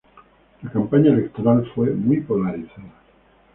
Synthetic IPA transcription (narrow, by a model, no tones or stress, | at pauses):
lakampaɲaelek̚t̪o̞ɾalfwe̞mujpo̞laɾiθaða